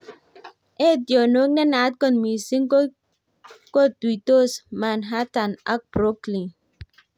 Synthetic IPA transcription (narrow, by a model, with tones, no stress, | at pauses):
ʔe˦djo˨no˦k̚nɛ˦na˨˦t̚kɔ˨nmi˨si˦ŋko˦ | ko˦twi˨to˦˨sma˨nɦa˦ta˨na̰˦k̚b̥ɾo˦kli˨ŋ